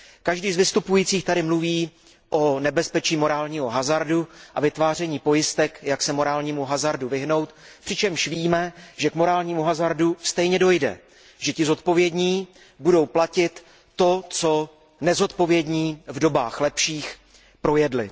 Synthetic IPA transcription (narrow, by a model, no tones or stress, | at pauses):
kaʒdiːzvɪst̪upujiːt͡siːxt̪aɾɪmluviː | ʔo̞nɛbɛspɛt͡ʃiːmo̞ɾaːlɲiːɦoɦazaɾduʔavɪt̪vaːrɛɲiːpo̞jɪst̪ɛkjaksɛmo̞ɾaːlɲiːmuɦazaɾduvɪɦno̞wt̪ | pr̥ɪt͡ʃɛmʃviːmɛʒɛkmo̞ɾaːlɲiːmuɦazaɾdust̪ɛjɲɛdo̞jdɛ̰ | ʒɛcɪzo̞t̪po̞vjɛdɲiː | budo̞wplacɪt̪ː | o̞t͡so̞ | nɛzo̞t̪po̞vjɛdɲiːvdo̞baːxlɛpʃiːx | pɾo̞jɛdlɪ̰